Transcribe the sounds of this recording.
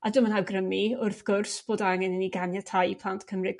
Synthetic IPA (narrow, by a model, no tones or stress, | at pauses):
adʊmənhawɡrəmiʊrθɡ̥ʊrsb̥oːdaaŋɛnəniɡanjatʰajpʰlˠantʰkʰəmrɨɡ